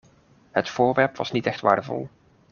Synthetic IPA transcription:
hətfoːɹʋɛrpʋɑ̰snitɛxtʋa̰ːrdəvɔ̰lˠ

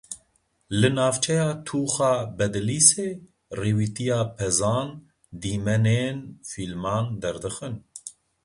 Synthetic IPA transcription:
lɨnaːvt͡ʃʰɛjaːt̪ʰuːxɑːbɛd̪ɨliːseː | reːwiːt̪ijaːpʰɛzaːn | d̪iːmɛneːnfilmɑːnd̪ɛɾd̪ɨxɨn

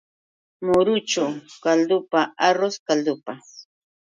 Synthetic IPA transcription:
mʊɾʊt͡ʃʊkald̪ʊpaaɾoskald̪ʊpa

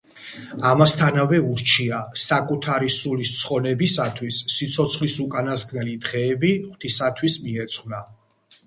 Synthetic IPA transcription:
amast̪ʰanavɛuɾt͡ʃʰiasakʼut̪ʰaɾisulist̪sʰχɔnɛbisat̪ʰwisːit̪sʰɔt̪sʰχlisukʼanazɡnɛlid̪ʁɛːbiχwt̪ʰisat̪ʰwismiɛt̪sʼχwna

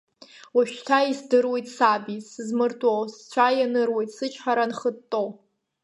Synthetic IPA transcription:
waʃᶣtʰaisdɨrwe̞jtʼsabisɨzmɨrtʼowst͡ɕʷʰajanɨrwe̞jtʼsɨt͡ʃʰʼħaɾanχəttʼːow

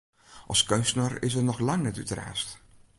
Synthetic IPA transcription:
ʔɑ̰skœnstənərɪ̰s̬ənɔχlɑŋnɛty̰təra̰ːst

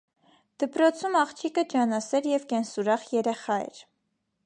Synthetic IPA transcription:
d̪̥əpɾɔt͡sʰumɑχt͡ʃʰikəd͡ʒɑnɑsɛɾjɛvkɛnsuɾɑχjɛɾɛχɑɛ̰ɾ

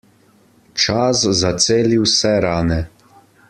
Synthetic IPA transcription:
t͡ʃaszat̪seːliwsɛɾaːnɛ

